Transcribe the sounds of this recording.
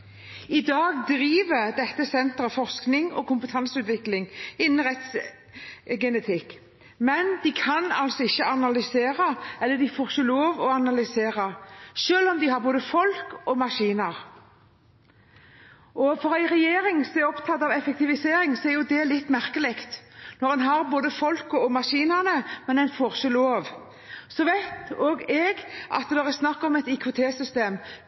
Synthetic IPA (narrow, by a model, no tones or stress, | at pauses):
ɪd̪ɑːɡd̪ɾiːʋəd̪ɛt̪ːəsɛnt̪ɾəfɔʁsknɪŋɔ̰kʊmpət̪ʰɑnsəʉːt̪ʋɪklɪŋɪnːn̩ʁɛt̪s | ɡɛnɛt̪ʰɪkː | mɛnd̪ɪkʰɑnɑlsɔɪçːəɑnɑlʏseːʁəɛlːəd̪ɪfoːʁçəloːʋɔɑnɑlʏseːʁəʃøːlɔmd̪ɪhɑɾboːd̪əfɔlkɔmɑʂiːnəʁ | ɔfɔɾæɪɾɛjeːɾɪŋsɔɛɔpt̪ʰɑt̪ːɑʋɛfɛk̚t̪ɪʋɪseːɾɪŋsɔɛɾjʊd̪ɛlɪt̪ːmæʁkəlɪkt̪nɔʁɛnɦɑʁboːd̪əfɔlkɔɔmɑʂiːnəʁnəmɛnæɪnfɔʁʃəloːʋ | sɔʋæɪt̪oːɡɛɡʔɑ̰t̪̚ɛd̪ɛʁɛsnɑkːɔmɛt̪ɪkʰʋʊt̪ʰeːsʏst̪eːm